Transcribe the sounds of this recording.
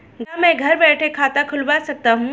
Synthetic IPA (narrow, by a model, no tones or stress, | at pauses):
ɡamɛ̃ːɡʱɐɾbɛːʈʰekʰaːt̪akʰʊlbaːsɐk̚t̪aɦũ